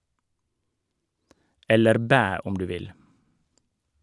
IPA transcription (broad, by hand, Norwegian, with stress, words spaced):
ˈɛləɾ ˈbæː ˈʊm ˈdʉː ˈʋɪl